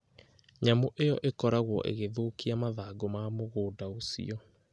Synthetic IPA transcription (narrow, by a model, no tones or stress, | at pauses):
ɲamoʔejɔʔekɔɾaɣwɔ̰ʔḛɣeðoːkiamaðaːɡomaːmoɣoːdaosḭɔ